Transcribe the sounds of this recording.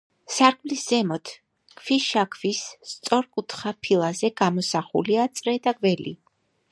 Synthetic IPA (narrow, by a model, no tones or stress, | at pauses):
saɾkʰʼmlisz̥ɛmɔt̪ʰ | kʰfiʃakʰvist̪sʼɔɾkʼut̪ʰχapʰilˠazɛɡamɔsaχṵliat̪sʼɾɛd̪aɡvɛlḭ